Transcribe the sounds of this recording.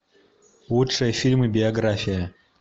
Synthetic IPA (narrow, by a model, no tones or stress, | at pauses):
lˠutʂɨjəfʲilʲmɨbʲɪɐɡɾafʲɪjə